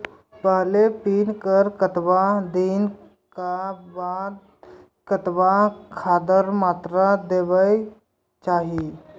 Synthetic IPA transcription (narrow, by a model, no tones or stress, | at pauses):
pəɦlepiːnkəɾkət̪ʋad̪in | kabad̪ | kət̪ʋakʰad̪əɾmat̪ɾad̪eʋəj | t͡ʃaɦi